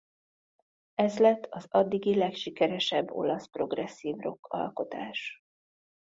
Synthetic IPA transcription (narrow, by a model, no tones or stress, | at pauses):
ɛzlɛt̪ːɒzɒd̪ːiɡilɛkʃikɛɾɛʃɛbːo̞̰lɒspro̞ɡrɛsːiːvro̞kʰːɒ̰lko̞t̪a̰ːʃ